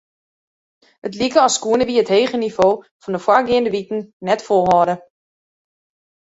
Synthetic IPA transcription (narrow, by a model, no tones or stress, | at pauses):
ətlikəɔsːkuənəʋiəətheːχənivoː | fɔndəfwaɡɪəndəʋitn̩nɛtfolˠɦɔdə